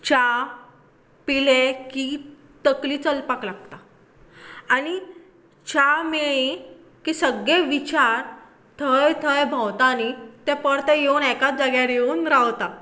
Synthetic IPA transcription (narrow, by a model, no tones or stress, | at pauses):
t͡ɕa | pileki | t̪əkliːt͡səlpaklaɡ̚t̪a | aɽ̃i | t͡ɕameɭi | kisəɡeʋit͡ɕaɾ | t̪ʰəjt̪ʰəjbʱawt̪anit̪ɛ̃pəɽt̪ɛ̃jeunɛkat̪̚d͡zaɡjaɾjeunɾawt̪a